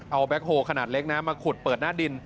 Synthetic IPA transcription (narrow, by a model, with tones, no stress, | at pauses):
ʔa˧wbɛ˦˥k̚hoː˧kʰa˧naː˨˩t̪̚le˦˥k̚naː˦˥mːaː˧kʰu˨˩t̪̚pɤː˨˩t̪̚naː˥˩di˧n